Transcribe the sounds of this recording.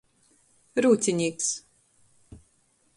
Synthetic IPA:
ɾuːt̪sʲiɲʲiːks

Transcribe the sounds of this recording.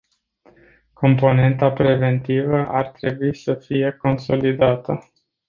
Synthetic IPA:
kʰo̞mpo̞ne̞nt̪apɾe̞ve̞nt̪ivəʔart̪ɾe̞buisəfije̞ko̞nso̞lid̪at̪ə

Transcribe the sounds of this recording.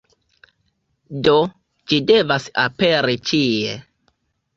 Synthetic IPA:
do | d͡ʒide̞vasape̞ɾit͡ʃiḛ

